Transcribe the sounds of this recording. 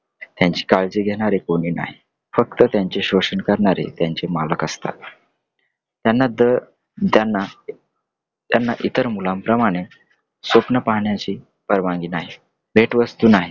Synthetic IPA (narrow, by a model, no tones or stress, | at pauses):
t̪jãɲt͡ɕi̥ːkald͡ʑeɡʱeɽ̃aɾekoɽ̃iːna̰ɦi | fək̚t̪ət̪jaɲt͡ɕeɕoɕəɳkəɾɳaɾḛt̪jaɲt͡ɕemaləkəst̪a̰ | t̪janːad̪ə | d̪janːa | t̪janːaʔit̪əɾmulampɾəmaɽ̃e | sʋəpnəpaɦɳjat͡ɕiː | pəɾʋãŋɡiːnaɦi | bʱeʈʋəst̪uːnaɦi